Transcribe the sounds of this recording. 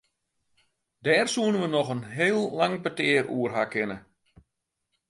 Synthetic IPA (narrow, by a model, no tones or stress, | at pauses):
dɛːrsuənəʋənɔχənɦeːlˠːaŋpətɪːərʔuːərɦakɪnə